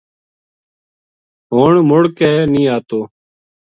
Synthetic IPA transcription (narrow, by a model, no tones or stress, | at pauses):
ɦoːɳmʊɽkɛːnĩːaːt̪oː